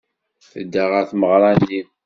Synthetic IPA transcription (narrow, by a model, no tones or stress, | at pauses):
θə̰d̪ːaʁəɾθməʁɾˤɑnːim